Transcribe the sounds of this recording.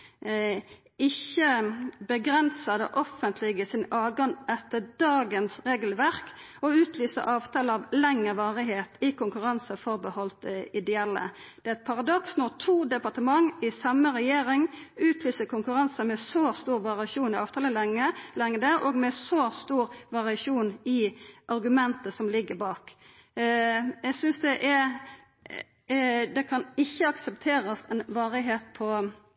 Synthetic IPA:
ɪçəbəɡɾɛnsəd̪ə̰ʔɔfənt̪ʰlɪɡəsɪnɑːɡɑnʔɛt̪ːəd̪ɑːɡənsʁeːɡl̩ʋæʁk | ɔʉːt̪ʰlyːsə̰ɾʔɑːʋt̪ʰɑːləɑʋlɛŋəʋɑːʁɪɦeːt̪ɪkʊŋkʉʁɑnsəfɔʁbəhɔlt̪ɪd̪ɛɛlːə̰d̪̥ɛæɛɪt̪̚pʰɑʁɑd̪ɔksnɔt̪ʰuːd̪ɛpɑʁt̪əmɑŋɪsɑməʁɛjeːʁɪŋʉːt̪ʰlyːsəkʰʊŋkʉɾɑnsəmɛsost̪uːɾʋɑʁɪɑʃuːnɪɑːʋt̪ʰɑːləlɛŋəlɛŋːəd̪əʔɔɡmɛsɔst̪uːɾʋɑʁɪɑʂuːnɪʔɑɾɡʉmɛnt̪əsɔmlɪɡːəbɑːk | jɛɡsʏnsd̪ɛʔɛɾ | d̪ɛkʰɑnɪçːəɑksɛpt̪ʰeːɾəsɛnʋɑːɾɪɦeːt̪̚pʰɔ

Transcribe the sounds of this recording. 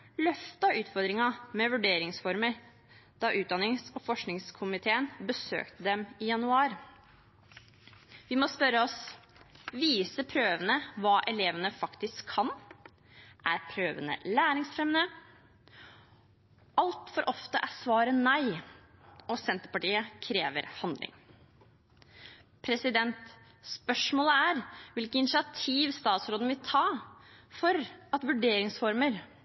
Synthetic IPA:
lœft̪ɑʉːt̪fɔɾd̪ɾɪŋɑmɛʋʉɖeːɾɪŋsfɔɾməɾ | d̪̥ɑʔʉːt̪̚d̪ɑnɪŋsɔfɔʂknɪŋskʰʊmɪt̪ʰeːənbəsø̰ːkt̪əd̪ɛmɪjɑnʉɑːɾ | ʋɪmɔspœɾəɔs | ʋiːsəpʰɾøːʋənəʋɑːʔɛleːʋənəfɑkt̪ɪskʰːɑn | ʔæɾpʰɾøːʋənə̰læːɾɪŋsfɾɛmnə | ɑlt̪fɔɾʔɔft̪əʔæsʋɑːɾənæɪ | ɔsɛnt̪əpɑʈiːəkʰɾeːʋə̰ɾhɑnd̪lʔɪ̰ŋ | pʰɾɛsɪd̪ɛnt̪ | spœʂmoːləæɾʋɪlkəɪnɪsɪɑt̪ʰiːʋst̪ɑːt̪sɾoːd̪əʋɪlt̪ʰɑːfɔɾɑt̪ʋʉɖeːɾɪŋsfɔɾməɾ

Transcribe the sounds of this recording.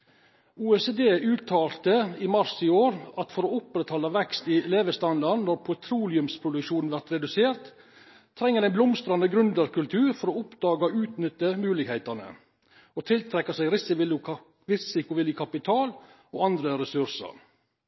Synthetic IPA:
uːɛseːd̪eːʉːt̪ʰɑːlt̪əimɑɾsɪoːɾɑt̪fɔɾoʊpɾɛt̪ʰhɔlːɑʋɛkst̪ɪleːʋəst̪ɑnd̪ɑɾnɔɾpʰʊt̪ʰɾuːlɪʉmspʰɾʊd̪ʉkʃuːnn̩ʋæɾt̪ɾɛd̪ʉseːɾt̪ | t̪ʰːɾɛŋːəɾɛɪnblʊmst̪ɾɑnəɡɾʉnd̪əɾkʉlt̪ʰʉːɾfɔɾoːʊpd̪ɑːɡəoːʉːt̪nʏt̪ːəmʉːlɪɡheɪt̪ənə̰ | ot̪ʰɪlt̪ʰɾɛkːəsɛɪɾɪsɪ | ɾɪsɪkʊʋɪljəkʰɑpɪt̪ʰɑːl | oːɑnd̪ɾəɾɛsʉɾsə̰ɾ

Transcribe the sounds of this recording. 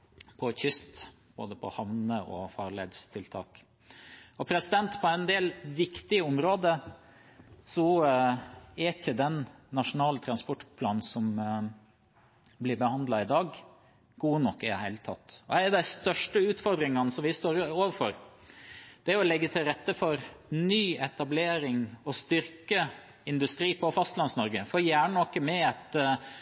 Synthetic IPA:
pʰɔçʏst̪ | b̥o̰ːd̪əpʰɔ̰hɑʋnəʔɔ̰fɑːɾɭeːd̪st̪ʰɪlt̪ʰɑ̰ːk | ɔpʰɾɛsɪd̪ɛnt̪pʰɔæɪnd̪eːlʋɪkt̪ɪəʊmɾoːd̪ə | sɔ | ɛɾɪçəd̪ɛnːɑʂʊnɑːlt̪ʰɾɑnspɔʈːpʰlɑːn̩sɔm | blɪɾbəhɑnd̪lɑɪd̪ɑːɡ | ɡ̥uːənɔkːɪd̪ɛ̰hæɪlət̪ʰɑ̰t̪ːɔæɛɖ̪æɪst̪œʂʈəʉːt̪fɔɾd̪ɾɪŋɑnsɔmʋɪst̪oːɾoːʋəfɔɾ | d̪̥ɛæɾɔlɛɡːət̪ʰɪlɾɛt̪ːəfɔɾnyːɛt̪ɑbleːɾɪŋɔst̪ʏɾkə | ɪnd̪ʉst̪ɾiːpʰɔfɑst̪lɑnsnɔɾɡəfɔɾjæːɳənɔkːəmɛɛt̪

